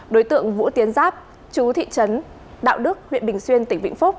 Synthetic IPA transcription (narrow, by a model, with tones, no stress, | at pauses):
ɗo˨˦jt̪ɨ̰˧˨əŋvṵ˧˥t̪i˨˦ənzaː˦˥p̚ | t͡ɕu˨˦t̪ʰḭ˧˨t͡ɕə˨˦n | ɗa̰ː˧˨wɗɨ˦˥ək̚hḭ˧ənɓï˨˩ŋ̟swi˧ənt̪ï˧˩ŋ̟vḭ̈˧˨ŋfʊ˦˥k͡p̚